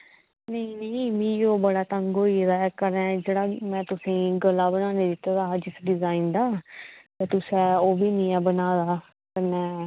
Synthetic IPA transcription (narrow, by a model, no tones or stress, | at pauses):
nəĩnəĩmĩːoːbəɽaːt̪əŋɡoːiɾaɛkəɾɛ̃d͡ʒeːɽaːmɛ̃ːt̪ʊsĩːɡəlaːbənaːneːd̪ɪt̪ːd̪aːɦd͡ʒɪsɖɪzaːiːnd̪aːt̪eːt̪ʊsɛːoːbiːnĩːɛːbənaːd̪aː | kənɛ̃ː